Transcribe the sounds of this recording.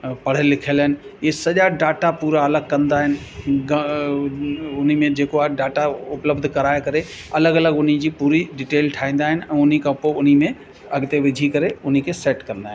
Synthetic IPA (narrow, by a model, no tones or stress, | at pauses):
pɐɽ̤elɪkʰelənɪ̆jesəd͡ʒaɖaːʈapuːɾaɐləɡ̚kə̃nd̪aɦɛnɪ | ɡ | ʊnimẽd͡ʒeːkoaɖaːʈaʊpləbd̪ʱkəɾaːjkəɾe | ɐləɡələɡʊnid͡ʒipuːɾiɖɪʈeːlʈʰaːĩnd̪aɦɛnɛ̃ʊnikaʊpoʊnimẽ | ɐɡt̪eʋɪd͡ʒʱikəɾeʊnikeseːʈkə̃ɾnd̪aɦ